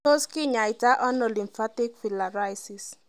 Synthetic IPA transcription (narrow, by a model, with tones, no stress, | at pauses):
o˦skɪ˦ɲa˨i˨ta˦ʔɔ˦nɔ˨li˨mfa˦ti˦kfi˨la˨ɾa˦jsi˨s